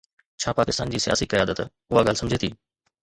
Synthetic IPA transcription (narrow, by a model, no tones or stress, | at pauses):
t͡ɕʰãːpaːkɪst̪aːnd͡ʑiːsɪja̰ːsikɐjaːd̪ət̪ | ʊɦaɡəlsɐmd͡ʑʱeːt̪ʰiː